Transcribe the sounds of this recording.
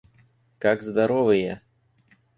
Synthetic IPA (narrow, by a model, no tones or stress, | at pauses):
kaɡzd̪aɾɔvɨjɛ